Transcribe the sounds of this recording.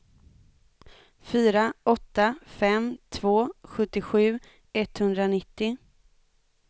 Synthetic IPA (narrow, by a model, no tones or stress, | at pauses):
fyːɾaɔt̪ːafɛmt̪ʰvoːɧɵt̪ːɪɧʉ̟ː | ɛt̪hɵnd̪ɾanɪt̪ːɪ